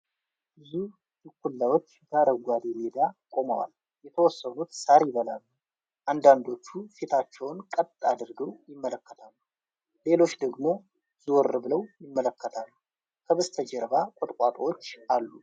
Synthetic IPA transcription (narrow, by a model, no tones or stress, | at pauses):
bɨzu | zukʷːulːawot͡ʃːɛd̪aɾəɡʷad̪eled̪akʼo̞məwa̰l | jɛt̪ʰəwɔsːənut̪saɾjɪβəlalːu | ʔand̪and̪o̞t͡ʃːufit̪ʰat͡ʃːɛwnkʼət̪ʼːad̪ɨɾɡəwjɪmːələkːət̪ʰalːu | le̞lo̞t͡ʃːd̪əɡmo̞ | ziwɔɾbɨləwjɪmːələkːət̪ʰalːu | kʰəβəst̪ʰəd͡ʒɛɾbakʷʼot̪ʼkʷʼat̪ʼwot͡ʃːʔalːu